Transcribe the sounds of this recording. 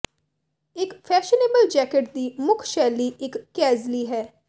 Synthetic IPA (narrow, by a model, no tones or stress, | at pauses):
ɪkfʰɛːʃəneːbəld͡ʒɛːkɪʈd̪iːmʊkʰʃɛːliːɪkːɛːzliːɦɛː